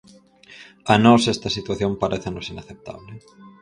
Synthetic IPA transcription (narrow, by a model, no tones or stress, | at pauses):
anɔsɛst̪ɐsit̪waθjõmpaɾʔeθenosinaθep̚t̪a̰βle